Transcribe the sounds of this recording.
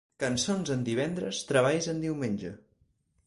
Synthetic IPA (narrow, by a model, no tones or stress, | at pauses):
kənsonzənd̪iβ̞ɛnd̪ɾəst̪ɾəβ̞ajzənd̪iwmenʲd͡ʒə̰